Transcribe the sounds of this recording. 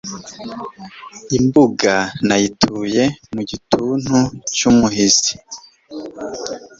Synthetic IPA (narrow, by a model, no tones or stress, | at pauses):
imbuɡanajitʰuːje̞muɟitʰuːn̥hut͡ʃumuɦizi